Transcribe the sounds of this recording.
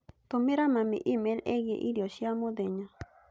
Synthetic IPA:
t̪omeɾamãmḭʔimeleɣjḛʔiɾioʃiamod̪eɲã

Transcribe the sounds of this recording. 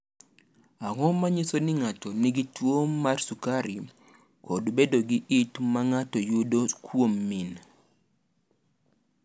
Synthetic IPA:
aŋɔmaɲɪsonɪŋatɔnɪɡitwomːarsukaɾi | kʰodbedoɡiʔitmaŋatɔjudokʰwomːin

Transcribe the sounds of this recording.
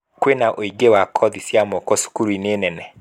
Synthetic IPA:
kwenaʔoiɡewakʰɔðisjamɔkɔsu̥kuɾinenɛnɛ

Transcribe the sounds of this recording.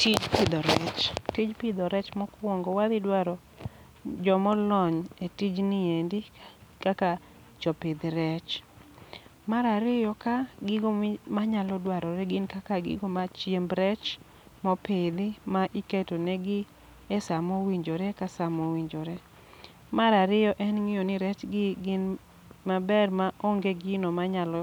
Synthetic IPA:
tʰid͡ʒpɪd̪ɔɾɛt͡ʃtid͡ʒpɪd̪ɔɾɛt͡ʃmɔkwɔŋɡɔwad̪ɪdwaɾɔ | d͡ʒɔmɔlɔɲetid͡ʒnɪendikaka | t͡ʃɔpɪd̪ɾɛt͡ʃ | maɾaɾɪjɔkaɡɪɡomaɲalɔdwaɾɔɾɛɡɪnkakaɡɪ̰ɡɔmat͡ʃjembɾɛt͡ʃ | mɔpɪd̪ɪmaʔɪketonɛɡɪ | ɛsamɔwiɲd͡ʒoɾɛkasamɔwiɲd͡ʒoɾɛ | maɾaɾɪjɔʔɛnŋɪjonɪɾɛt͡ʃɡɪɡɪn | mabɛrmaʔoŋɡeɡɪnomaɲalɔ

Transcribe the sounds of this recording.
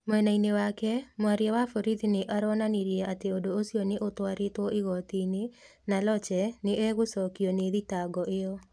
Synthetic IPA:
mwɛnainewakɛmwaɾjawafoɾitinɪʔaɾɔnaniɾjɛat̪eodoosjonɪʔot̪waɾɪtwɔʔɪɣɔt̪ine | nalɔt͡ʃɛnɪʔɛɣʊsɔkioneðitaɡɔʔɪjɔ

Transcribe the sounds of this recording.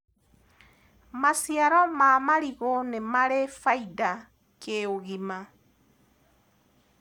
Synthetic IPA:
masiaɾɔmamaɾiɣonemaɾefaida | keoɣima

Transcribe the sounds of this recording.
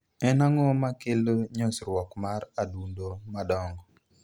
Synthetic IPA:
ɛnaŋɔmakelɲosɾwɔkmaɾadundomadɔŋɡɔ

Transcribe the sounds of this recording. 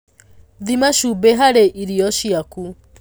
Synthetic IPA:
ðimaʃubeɦaɾeʔiɾiɔʃiaku

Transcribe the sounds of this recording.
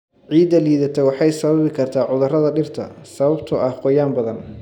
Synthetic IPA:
ʕiːd̪ɐliːðɐt̪ʰɛwɑħɑjsɐβɐβɪkʰɐrt̪ʰaːʕʊðʊrɐðɐɖɪrt̪ʰɐ̰sɐβɐbt̪ʰʊʔɐhqɔjaːmbɐðɐn

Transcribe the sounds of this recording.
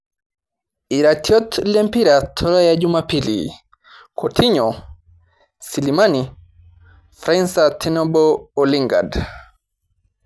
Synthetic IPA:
iɾatʰjɔtlɛmpiɾatʰɔlɔjad͡ʒumapilḭ | kʰɔtʰiɲɔ | silimani | fɾansatʰinɔbɔɔliŋɡa̰d

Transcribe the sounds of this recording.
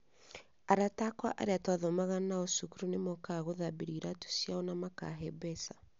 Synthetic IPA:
aɾatakwa̰ʔa̰ɾeatwaðɔmaɣanaosukuɾunemokaɣoðabiɾiɾatu̥sjaɔnamaka̰ɦɛbɛsa

